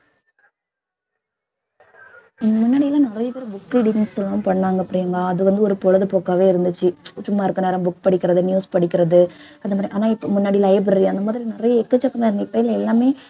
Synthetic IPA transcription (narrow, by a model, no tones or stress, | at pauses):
ɪnɡ̪ɐmʊnːaːɽɪjɪlãːnɪɾɐjɐpeːɾɐ̃bʊkːɪɽɪnnsɔlːɐnmpɐɳːaːŋɡɐpːɯɽɪjɐŋɡɐɐðɯʋɐnd̪ɯɔɾɯpɔlɐðɯpoːkaːʋeːɪɾɯnd̪ɯt͡ʃːɯt͡ʃʊmːaːɪɾɯkːɐneːɾɐ̃bʊkːpɐɽɪkːɪɾɐðɯnjuːspɐɽɪkːɪɾɐðɯ | ɐndɐmad̪ɾjʔaːnaːɪpːomʊnːaːɽilɐɪbɾɐɾɐnd̪ɐmaːðɪɾinɪɾɐjɐɛkːɐt͡ʃːɐkːɐmaːɪɾɯnd̪iɪpːɐjɪlɐɛlːaːmeː